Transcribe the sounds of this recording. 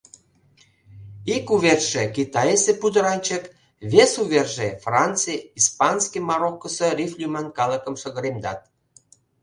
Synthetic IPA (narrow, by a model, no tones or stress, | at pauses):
ikuβerʃekit̪ɑjesepud̪əɾɑnʲt͡ɕə̆k | βesuβerʒefrɑnt͡sɨjispɑnskimɑɾokːəserʲiflʲymænkɑləkə̆mʃə̆ɣəɾemd̪ɑ̰t̪̚